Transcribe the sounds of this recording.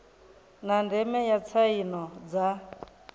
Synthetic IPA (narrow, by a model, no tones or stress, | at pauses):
nandɛmɛjat͡sʰainɔd͡za